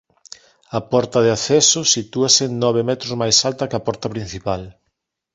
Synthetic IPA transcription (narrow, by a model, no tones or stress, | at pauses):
ɐpɔɾt̪ɐðɪaθɛsʊsit̪uasenɔβ̞ɪmɛt̪ɾozmajsalt̪ɐkɐpɔɾt̪ɐpɾin̟θipal